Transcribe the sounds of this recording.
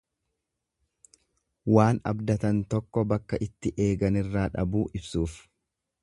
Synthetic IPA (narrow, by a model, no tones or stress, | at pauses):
waːnɐ̰bd̪ɐt̪ɐnt̪ɔkːɔbɐkːɐʔɪt̪ːɪʔe̞ːɡɐnɪrːaːᶑɐ̰buːʔɪbsuːf